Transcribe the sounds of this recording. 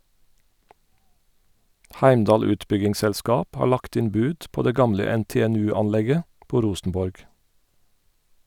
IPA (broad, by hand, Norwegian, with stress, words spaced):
ˈhæɪmˌdɑːl ˈʉːtˌbʏɡɪŋsɛlˌskɑːp ˈhɑː ˈɭɑkt ˈɪn ˈbʉːd ˈpoː ˈdeː ˈɡɑmlə ˌɛnˌteːɛˈnʉːˌɑnˌlɛɡə ˈpoː ˈɾuːsn̩ˌbɔɹɡ